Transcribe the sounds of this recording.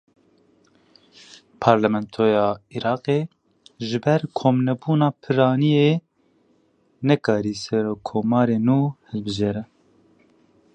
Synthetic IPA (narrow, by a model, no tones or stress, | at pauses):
pʰɑːɾlɛmɛnt̪ʰoːjɑːiɾɑːqe | ʒɪbɛɾkʰoːmnɛbuːnɑːpʰɨɾɑːnije | nɛkɑːɾiːsɛɾoːkʰoːmɑːɾeːnuːhɨlbɨʒeːɾɛ